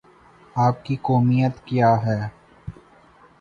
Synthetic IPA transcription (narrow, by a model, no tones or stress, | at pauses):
aːp̚kikoːmijət̪kjaːɦɛː